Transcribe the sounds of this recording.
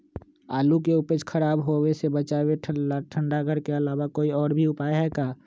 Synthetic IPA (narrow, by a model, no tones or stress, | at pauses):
aːlukeʊpət͡ʃkʰəɾaːbɦowesebət͡ʃaːweʈʰʈʰə̃ɳɖakəɾkeəlaːwakoːiɔːɾbʱiʊpaːjɦɛkaː